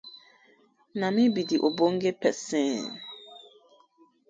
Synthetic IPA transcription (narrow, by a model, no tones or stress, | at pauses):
nãmĩbidiʔoboŋ̩ɡepɛsɛ̃